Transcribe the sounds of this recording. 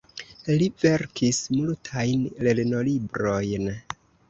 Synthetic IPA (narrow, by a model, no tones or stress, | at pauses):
live̞ɾkʰismultʰajnlelno̞libɾo̞jn